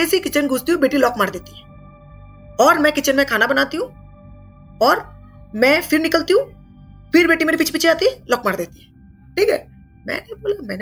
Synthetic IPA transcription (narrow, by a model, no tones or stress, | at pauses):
esikɪt͡ʃənɡʱʊst̪iũbeːʈilɔːkmaːɾd̪eːt̪ĩ | ɔːɾmɛ̃kɪt͡ʃənmẽkʰaːnabənaːt̪iɦũː | ɔːɾ | mɛ̃pʰɪɾnɪkəlt̪iũ | pʰɪɾbeːʈimeːɾipɪːt͡ʃʰpiːt͡ʃʰeaːt̪ilɔːkmaːɾd̪eːt̪ĩ | ʈʰiːkɦɛ̰ː | mɛ̰̃ːneboːlamɛ̰̃ːne